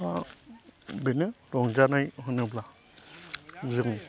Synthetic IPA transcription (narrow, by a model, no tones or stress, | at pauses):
a | bɛnɛɾɔŋd͡ʒanajɦɔnɛbla | zɯŋ